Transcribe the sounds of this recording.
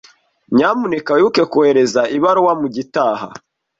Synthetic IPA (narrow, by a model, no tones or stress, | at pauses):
ɲaːmunekajuke̞kuhe̞ɾe̞zaʔiβaɾowamuɟitaːha̰